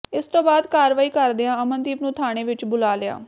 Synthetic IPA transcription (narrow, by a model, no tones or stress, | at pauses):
ɪst̪õːbaːd̪kaːɾʋaːiːkəɾd̪ejãːəmənt̪iːpnũːt̪ʰaːɽ̃eːʋɪt͡ʃbʊlaːlɪja̰ː